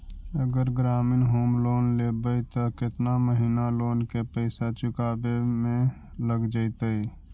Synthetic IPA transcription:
əɡəɾɡɾaːmɪnɦoːmloːnleːbəjt̪okɪt̪naməɦiːnaloːnkepəɪsat͡ʃʊkaːbemẽ | ləɡd͡ʒəit̪əi

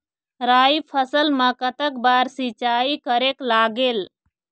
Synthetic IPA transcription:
ɾaːipʰəsəlmãːkət̪ək̚baːɾsit͡ʃaːikəɾeːklaːɡeːl

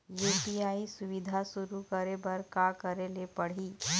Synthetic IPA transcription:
jeʈiaːisʊʋɪd̪ʱasʊɾukəɾebɐɾkakəɾelepɐɽ̤iː

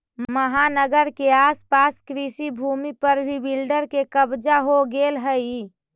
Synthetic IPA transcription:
mməɦanəɡəɾkeaspaskɾisibʱumipəɾbʱibilɖəɾkekəbd͡ʒaɦoɡelɦəi

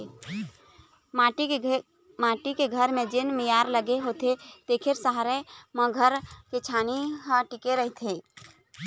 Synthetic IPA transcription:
aʈi | maːʈikeɡʱəɾmẽd͡ʒenmijaɾləɡeɦot̪et̪ekʰeɾsəɦaɾemə̃ɡʱəɾket͡ʃʰaːniɦə̃ʈikeɾəɦit̪ʰe

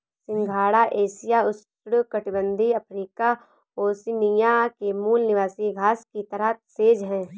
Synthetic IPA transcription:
sɪ̃ŋɡʱaːɽaʔeːʃijaʊst̪ɾukɐʈɪbə̃nd̪ʱiɐpʰɾiːka | oːsɪnijakemuːlnɪʋaːsiɡʱaːskit̪əɾət̪seːd͡ʒɦɛ̃ː

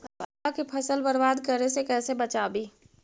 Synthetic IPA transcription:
ɐbɐakepʰɐsəlbɐɾʋaːd̪kəɾesekɛːsebɐt͡ʃaːbiː

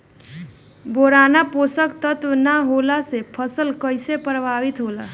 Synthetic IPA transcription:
boɾanaposəkt̪ət̪wənaɦolasepʰəsəlkəjsepɾəbʱaʋit̪ɦola

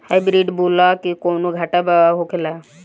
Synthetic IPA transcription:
hajbɾiɖboːlakikoːnoɡʱaʈabaʋaɦokʰela

